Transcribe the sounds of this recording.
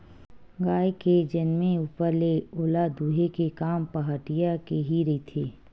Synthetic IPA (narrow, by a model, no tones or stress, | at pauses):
ɡaːjked͡ʒənmẽuːpəɾleoːlad̪uːɦekekaːmpəɦəʈɪjakeɦiɾɛt̪ʰeː